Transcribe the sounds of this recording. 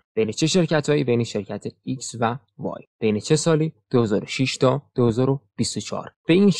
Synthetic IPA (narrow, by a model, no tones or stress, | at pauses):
b̥e̞jnet͡ʃʰe̞ʃe̞ɾcʰæt̪ʰɒːjiːbe̞jneʃe̞ɾcʰæt̪ʰeiksvæ | vɒ̰ːjb̥e̞jne̞t͡ʃʰe̞sɒːliːd̪̥ohezɒːɾoʃiʃt̪ʰɒːd̪̥ohe̞zɒːɾob̥ist̪ot͡ʃʰɒ̰ːɾb̥e̞iːnʃ